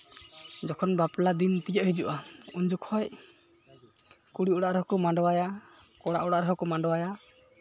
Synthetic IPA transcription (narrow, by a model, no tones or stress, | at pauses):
d͡ʒɔkʰɔnbaplad̪int̪ijɔʔhid͡ʒuʔauɲd͡ʒukhɔj | kuɽiɔɽaʔɾɛɦɔkɔmaɳɖɔwaja | kɔɽa̰ʔɔɽaʔɾɔɦɔkɔmaɳɖɔwaja